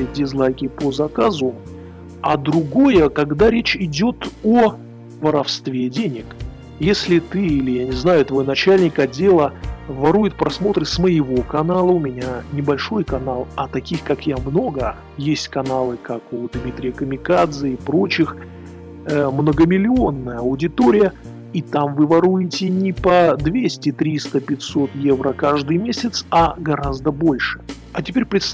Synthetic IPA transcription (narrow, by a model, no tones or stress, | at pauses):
ɪdʲɪzlˠajkʲɪpəzɐkazʊ | ad̪ɾʊɡo̞jəkɐɡd̪aɾʲet͡ɕɪdʲo̞t̪o | vəɾɐfst̪vʲedʲenʲɪk | jesʲlʲɪt̪ɨilʲɪjanʲɪznajʊt̪vo̞jnɐt͡ɕælʲnʲɪkɐdʲe̞lˠəvɐɾujɪt̪̚pɾɐsmo̞t̪ɾɨsməjɪvo̞kɐnalˠəʊmʲɪnʲanʲɪbɐlʲʂo̞jkɐnalˠɐt̪ɐkʲixkakjamno̞ɡə | jesʲtʲkɐnalˠɨkakʊd̪mʲit̪ʲɾʲɪjəkəmʲɪkad̪zɨɪpɾo̞t͡ɕɪx | əmnəɡəmʲɪlʲɪo̞nːəjəɐʊdʲɪt̪oɾʲɪjə | it̪amvɨvɐɾujɪtʲɪnʲɪpɐd̪vʲesʲtʲɪt̪ɾʲist̪əpʲɪtʲso̞t̪je̞vɾəkaʐd̪ɨjmʲesʲɪt̪sɐɡɐɾazd̪əbo̞lʲʂɨ̥ | ɐtʲɪpʲeɾʲpɾʲɪt̪s